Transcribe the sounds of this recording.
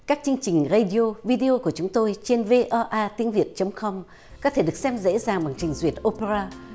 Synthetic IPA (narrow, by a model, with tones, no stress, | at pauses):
kaː˦˥k̚t͡ɕɨ˧əŋt͡ɕï˨˩ŋ̟ɣa˧ɗi˧o˧vi˧ɗi˧o˧ku˧˩ət͡ɕʊ˨˦ŋ͡mt̪o˧jt͡ɕe˧nve˧ʔɔː˧ʔaː˧t̪i˨˦ənvi˨˩ət̚t͡ɕə˨˦wŋ͡mkɔ˧m | kɔ˨˦t̪ʰe˧˩ɗɨ˨˩ək̚sɛ˧mzḛ˧˥zaː˨˩ŋɓa̰˨˩ŋt͡ɕï˨˩ŋ̟zwi˨˩ət̚ʔo˧pe˧zaː˧